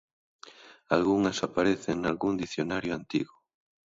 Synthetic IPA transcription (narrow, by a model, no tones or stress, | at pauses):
alɣuŋɐsapaɾeθeŋnalɣund̪iθjonaɾjʊant̪iɣʊ